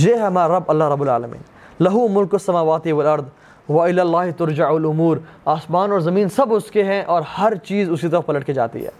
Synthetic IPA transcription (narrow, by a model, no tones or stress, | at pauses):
jeːɦɛmaːɾɐbːɐlːaɦɾɐbːʊlaːlɐmḭːn | lɐɦumʊlkɐsːɐmaːʋaːt̪iʋɐlɐɾd̪ | ʋɐɪlaːlːaːɦt̪ʊɾd͡ʒaʕɐlʊmuːɾaːsmaːnɔːɾzɐmĩːnsɐbʊskeɦɛ̃ʔɔːɾhɐɾt͡ʃiːzʊskit̪̬ɐɾəfpɐlɐʈked͡ʒa̰ːt̪ḭɦɛ̰ː